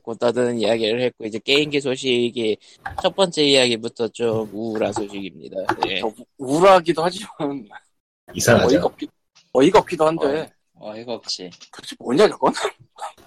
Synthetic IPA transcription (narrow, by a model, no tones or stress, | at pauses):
kot͈adɯnijaɡiɾɯɭhe̞t̚k͈oid͡ʑe̞k͈e̞inɡesʰoɕ̬ʰiɡi | t͡ɕʰʌt̚p͈ʌnt͡ɕ͈e̞ijaɡibutʰʌt͡ɕ͈omuɾasʰoɕʰiɡimɲḭdajeʌuɾaɡidohad͡ʑiman | isʰaŋʌiʌp̚ki | ʌiɡʌp̚k͈idohandḛ | iɡʌt͡ɕʰikɯʌt͡ɕʰimoɲad͡ʑʌk͈ʌna